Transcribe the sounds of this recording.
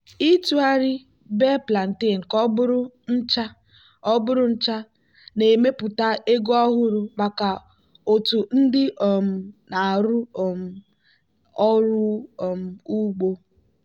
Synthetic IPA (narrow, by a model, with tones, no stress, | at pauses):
i˦tu˦a˦ɾɪ˦ | be˦pla˨n̩˨te˦˨n̩˨kɔ˦bʊ˦ɾʊ˦n̩˦t͡ʃa˦ | ɔ˦bʊ˦ɾʊ˦n̩˦t͡ʃa˦ | ne˨me˦pʊ˨ta˦e˦ɡo˦ɔ˦ɣʊ˦ɾʊ˨ma˨ka˨ | o˨tu˨n̩˦dɪ˦ɔ˨m̩˨na˨ɾʊ˦˨m̩˦ | ɔ˦ɾʊ˦˨m̩˨u˦ɡ͡bo˦